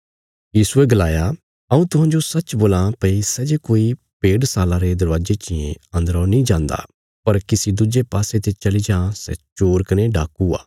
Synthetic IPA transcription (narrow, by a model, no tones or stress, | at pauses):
jiːsueɡɐlaːja | ɐũt̪ʊɦãːd͡ʒosɐt͡ʃboːlãpɐisɛd͡ʒekoːi | peːɖsaːlãɾed̪ɐɾʋaːd͡ʒet͡ʃɪjḛ̃ɐ̃nd̪əɾɔnĩd͡ʒãːnd̪a̰ | pɐɾkɪsid̪ʊd͡ʒepaːset̪et͡ʃɐlid͡ʒãːsɛ̰t͡ʃoːɾkɐneɖaːkua̰ː